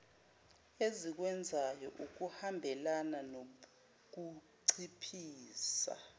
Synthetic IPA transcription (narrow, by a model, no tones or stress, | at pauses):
ezik̬wɛnd͡zʱajɔʔuk̬uhambʱɛlanano | k̬uǀʰipʰiːsa̰